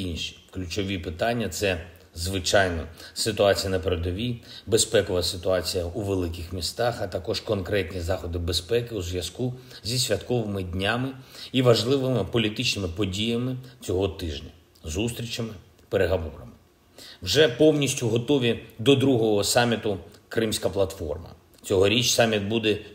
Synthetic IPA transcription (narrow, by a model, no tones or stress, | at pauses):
inʃi̥klʲʊt͡ʃɔʋʲipɪt̪ɑnʲːɐt̪sɛ | zʋɪt͡ʃɑjnɔsɪt̪ʊɑt͡sʲijɐnɐpeɾed̪ɔʋʲibespɛkɔʋɐsɪt̪ʊɑt͡sʲijɐuʋelˠɪkɪxmʲist̪ɑxɐt̪ɐkɔʃkɔnkɾɛtʲnʲizɑxɔd̪ɪbespɛkɪuzʋʲjɐsku | zʲisʲʋʲɐt̪kɔʋɪmɪdʲnʲamɪiʋɐʒlˠɪʋɪmɪpɔlʲit̪ɪt͡ʃnɪmɪpɔdʲijɐmɪt͡sʲɔɦɔt̪ɪʒnʲɐ | zust̪ɾʲit͡ʃɐmɪ | peɾeɦɔʋɔɾɐmɪ | wʒɛpɔwnʲisʲtʲʊɦɔt̪ɔʋʲid̪ɔd̪ɾuɦɔɦɔsɑmʲit̪ʊkɾɪmsʲkɐplˠɐt̪fɔ̰rmɐ̰ | t͡sʲɔɦɔɾʲit͡ʃsɑmʲit̪̚bud̪ɛ